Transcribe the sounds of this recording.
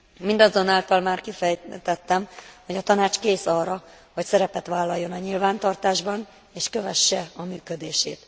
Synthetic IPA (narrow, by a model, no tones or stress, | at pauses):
mind̪ɒzo̞naːlt̪ɒlmaːrkifɛjt̪ɛt̪ːɛmho̞ɟɒt̪ɒnaːt͡ʃkeːsɒːrːɒ | ho̞csɛɾɛpɛt̪ʋaːlːɒjːo̞nɒɲilvaːnt̪ɒrt̪aːʒbɒn | eːʃkøvɛʃːɛɒmyːkød̪eːʃeːt̪